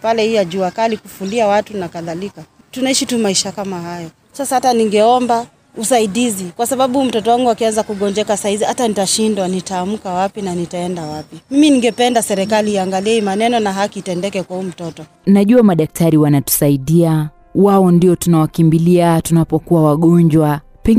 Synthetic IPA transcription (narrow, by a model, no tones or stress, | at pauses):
palɛhijaʄuakalikufuliawatunakaðalika | tunaiʃitumaiʃakamahajɔ | sasahataniŋɡɛɔmba | usaiɗizikwasaɓaɓum̩tɔtɔwaŋɡuakianzakuɠɔɲd͡ʒɛkasahizihatanitaʃindwanitaːmukawapinanitaɛndawapimiminiŋɡɛpɛndasɛɾɛkaliːaŋɡaliɛimanɛnɔnaɦakiːtɛndɛkɛkwahuːm̩tɔtɔ | naʄuamaɗak̚tʰaɾiwanatu̥saiɗia | wawɔndiɔtunawakimbiliatunapɔkuwawaɠɔɲd͡ʒwa | pɛŋ